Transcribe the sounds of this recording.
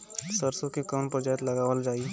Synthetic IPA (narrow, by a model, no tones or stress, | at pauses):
səɾsõkikəmpəd͡ʒaːjət̪lɐɡaːʋəld͡ʒaːi